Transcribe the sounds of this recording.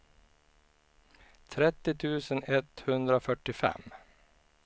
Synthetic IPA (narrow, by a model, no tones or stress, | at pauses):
t̪ʰɾɛt̪ːɪt̪ʰʉ̟ːsənɛt̪hɵnd̪ɾafœʈːɪfɛ̰m